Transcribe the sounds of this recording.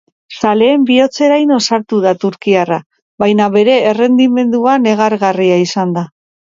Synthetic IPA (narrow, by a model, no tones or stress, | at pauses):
sale̞ːmbio̞t͡se̞ɾajno̞saɾt̪uðat̪uɾkiara | βajnaβe̞ɾe̞ːre̞nd̪ime̞nd̪uane̞ɣ̞aɾɣariaisand̪a